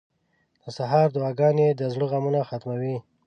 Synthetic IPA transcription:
d̪̥əsaɦɑɾd̪ʊwɑɡɑnjed̪əzɽəɣamunaxat̪mawi

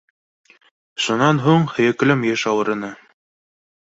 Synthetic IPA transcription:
ʃunɑnɦuɴhɘ̆jɘ̆klɘmjɘʃɑwɤ̆ɾɤ̆nɤ

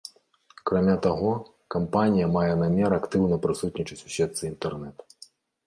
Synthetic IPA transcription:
kɾamʲat̪aɣɔ | kampanʲijɐmajɛnamʲɛɾakt̪ɨwnɐpɾɨsut̪ʲnʲit͡ʂɐt͡sʲu̥sʲɛt̪sɨint̪ɛrnɛt̪u̥

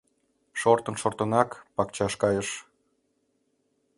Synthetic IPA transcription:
ʃort̪ənʃort̪ənɑkpɑkt͡ɕɑʃkɑjəʃ

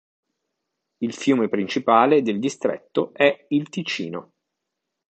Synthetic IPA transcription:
ilfjuːmepɾint͡ʃipaːled̪eld̪ist̪ɾɛ̰t̪ːoɛilt̪it͡ʃḭːno

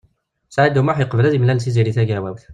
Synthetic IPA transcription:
sʕid̪umaħjəqvlæzimlælsiziɾiθæɡæwæwθ

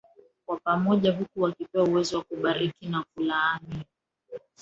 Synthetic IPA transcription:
kwapamɔʄaɦukuwakipɛwauwɛzɔwakuɓaɾikinakulaːni

